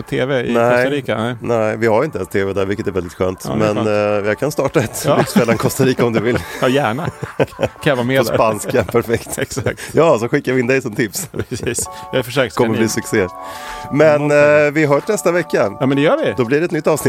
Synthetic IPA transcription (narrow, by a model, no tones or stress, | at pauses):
t̪ʰeːvɛɪnæɔɾiːkanɛɪvɪhaɾɪnt̪əɛnst̪ʰeːvɛd̪æːɾvɪlkːət̪ɛɾvɛld̪ɪt̪ɧø̰ːnt̪mɛnjakʰanst̪ɑːʈaɛt̪ːɪksfɛlːaɛnkʰɔst̪aɾiːkaɔmd̪ɵvɪlːjæːɳa | avameːpanskapʰæɾfɛkt̪ɛsajɑːsɔɧɪkːaɾvɪɪnd̪ɛjsɔmt̪ʰɪpsː | jɑfəʂøːkʰɔməlɪsɵkseːmɛnvɪaɦœːʂnɛst̪avɛkːajɑmɛnd̪ɛjœːʋɪd̪ɔblɪɖɛt̪nʏt̪ːɑːvsnɪ